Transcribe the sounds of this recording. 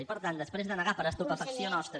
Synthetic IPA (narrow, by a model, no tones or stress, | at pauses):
ipəɾt̪and̪əspɾezðənəɣapəɾəst̪upəfəksionɔst̪ɾə